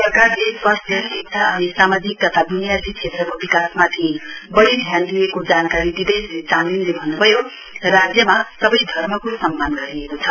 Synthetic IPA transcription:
ʌrkadespʌst̪ʌɾieksʰaʌnisamad͡zik̚t̪ʌt̪ʰabinijat̪it͡sʰet̪rʌkobikasmat̪ʰiẽbʌɽid̪ʱjand̪iekod͡zankaɾid̪id̪ejslet͡saninlebʱʌnːubʱʌjo | rad͡zjʌmasʌbʌjd̪ʱʌrmʌkosʌmːanɡʌɾiekot͡sʰʌ

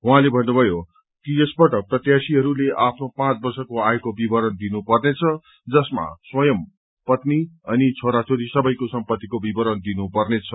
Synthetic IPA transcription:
ɦuɦãlebʱʌnːubʱʌjo | kijʌsbʌʈʌprʌt̪jasiɦʌɾuleʔapʰnopãt͡sbʌrsʌkoajekobibʌɾʌnd̪inupʌrnet͡sʰʌ | d͡zʌsma̰swʌjʌm | pʌt̪niʌnit͡sʰoɾat͡soɾisʌbʌjkosʌmpʌt̪ːikobibʌɾʌnd̪inupʌrnet͡sʰʌ

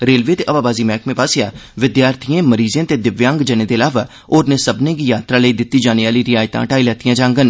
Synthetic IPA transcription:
ɾeːlʋeːt̪eːʔəʋaːbaːziːmɛːkmẽːpaːsejaːʋɪd̪jaːɾt̪ʰijẽːməɾiːzẽːt̪eːd̪ɪʋjãːŋɡd͡ʒənẽːd̪eːəlaːʋaː | oːɾneːsəbnẽːɡijaːt̪ɾaːləiːd̪ɪt̪ːiːd͡ʒaːneʋaːliːɾɪjaːjt̪ã̰ːʈaːilɛːt̪ijãːd͡ʒãːŋɡən

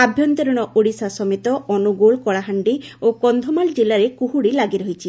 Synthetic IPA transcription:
abʱjɔnt̪eɾɔɽ̃ɔʔoɽisasɔmit̪ɔɔnuɡoɭkɔɭaɦaɳɖiokɔnd̪ʱɔmald͡ʒelaɾekuɦuɽilaɡiɾɔɦit͡ʃʰi

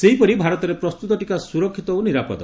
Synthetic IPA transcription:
seɦipɔɾibʱaɾɔt̪ɔɾepɾɔst̪ut̪ɔʈikasuɾɔkʰːit̪ɔoniɾapɔ̰d̪ɔ

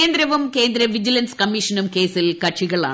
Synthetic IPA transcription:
nd̪ɾɐʋumke̞ːnd̪ɾɐʋid͡ʑilɐnskɐmːiʂɐnumke̞ːsilkɐʈʂiɣɐɭa̰ː

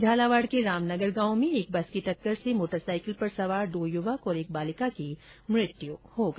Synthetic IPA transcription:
d͡ʒʱaːlaʋaːɽkeɾaːmnəɡəɾɡãːwmẽeːk̚bɐskiʈɐkːəɾsemoːʈəɾsaːɪkəlpɐɾsɐʋaːɾɖ̪oːjʊʋəkɔːɾeːk̚baːlɪkaki | mɾɪt̪juhoɡɐ

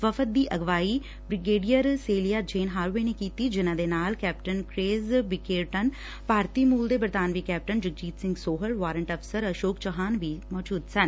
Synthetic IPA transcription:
ʋəfʰət̪̚d̪iːʔəɡʋaːi | bɾɪɡeːɖijəɾseːlijaːd͡ʒeːnɦaːɾːeːnekiːt̪id͡ʒɪnãːd̪eːnaːlkɛːp̚ʈənkɾeːzbɪkeːɾʈən | paːɾt̪iːmuːld̪eːbəɾt̪aːnʋiːkɛːp̚ʈənd͡ʒəɡ̚d͡ʒiːt̪sɪ̃ŋɡsoːɦəlʋaːɾəɳʈəpsəɾəʃoːkt͡ʃəɦaːnʋiːmɔːd͡ʒuːd̪sən

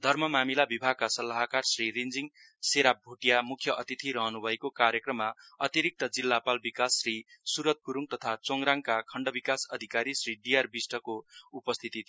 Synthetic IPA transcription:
d̪ʱʌrmʌmamilabibʱaɡ̚kasʌlːaɦakarsrirind͡ziŋ | seɾabʱuʈijamukʰːjʌʔʌt̪it̪ʰiɾʌɦʌnubʱʌekokaɾjʌkrʌmːaʌ̰t̪iɾik̚t̪ʌd͡zilːapalbikasːrisuɾʌt̪̚kuɾuŋt̪ʌt̪ʰat͡soŋɾaŋkakʰʌɳɖʌbikasʌd̪ʱikaɾisriɖijarbisʈʌkoupʌst̪ʰit̪it̪ʰ

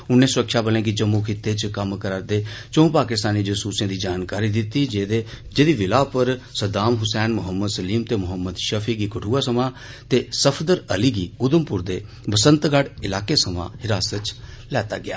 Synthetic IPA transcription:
ʊnːẽːsʊɾəkʃaːbəlẽːkid͡ʒəmːuːkʰɪt̪ːeːt͡ʃkəmkəɾaːd̪eːt͡ʃõːpaːkɪst̪aːniːd͡ʒʊsuːsjãːd̪iːd͡ʒaːnkaːɾiːd̪ɪt̪ːiːd͡ʒeːd̪eːd͡ʒeːd̪iːʋɪlaːpəɾsəd̪aːmɦʊsɛːnmʊɦəmːəd̪səliːmt̪eːmʊɦəmːəd̪ʃəpʰiːɡiːkəʈʰuːaːsəmãː | t̪eːsəpʰd̪əɾəliːɡiːʊd̪əmpʊɾd̪eː | bəsə̃nt̪ɡaɽɪlaːkeːsəmã̰ːhɪɾaːsətt͡ʃ | lɛːt̪aːɡɪja̰ː

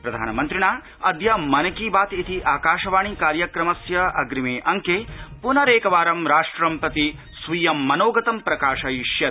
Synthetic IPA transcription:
pɾɐd̪ʱa̰ːnɐmɐnt̪ɾiɳaː | ɐd̪jɐmɐnɐkiːbaːt̪it̪iʔaːkaːʃɐʋaːɳ̃ikaːɾjɐkɾɐmɐsjɐɐɡɾimeːʔɐŋkeːpunɐɾeːkɐʋaːɾɐmɾaːʂʈɾɐmpɐt̪i | sʋijɐmːɐnoːɡɐt̪ɐmpɾɐkaːʂɐiʃjɐ

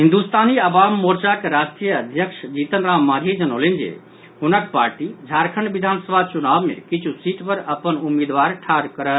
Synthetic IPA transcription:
ɦind̪ust̪aniəbamːoɾt͡ʃakeɾasʈijəəd̪ʱjəkʃd͡ʒit̪ənɾamːad̪ʱid͡ʒənəwlend͡ʒḛ | ɦunək̚paɾʈid͡ʒʱaɾkʰəɳbid̪ʱansəbʱat͡ʃunabmḛkit͡ʃʰusiʈpəɾəpənumːed̪ʋaɾʈʰaɾkəɾə

